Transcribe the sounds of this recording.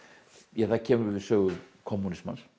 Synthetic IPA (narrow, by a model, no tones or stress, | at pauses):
jɛθacʰɛːmʏɾvɪ̥sœːɣʏkʰɔmːunɪsma̰ns